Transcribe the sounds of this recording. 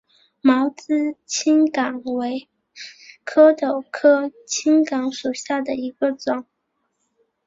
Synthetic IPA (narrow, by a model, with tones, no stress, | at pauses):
mɑ˧˥ʊt͡sɹ̩˥t͡ɕʰi˥nkɑ˨˩ŋwe˧˥ɪ | kʰɤ˥t̪o˨˩ʊkʰɤ˥t͡ɕʰi˥ŋkɑ˧˥ŋʂu˨˩ɕja˥˩d̪ə˩i˧˥ɡ̥ə˧ʈ͡ʂʊ˨˩˦ŋ